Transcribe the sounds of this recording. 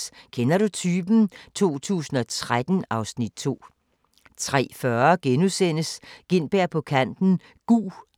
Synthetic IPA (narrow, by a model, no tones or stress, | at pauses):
kʰenɐɾut͡sʰyːb̥n̩t͡sʰo̝̰ːt͡sʰṵːsn̩ɒ̽t͡sʰʁad̥n̩ɑ̈ʊsnid̥̚t͡sʰo̝̰ː | t͡sʰʁɛ̰ːfɶɐɡ̥enusen̰əsɡ̥e̝n̰b̥eɐ̰pʰɒ̽kʰæn̰d̥n̩ | ɡ̥ṵː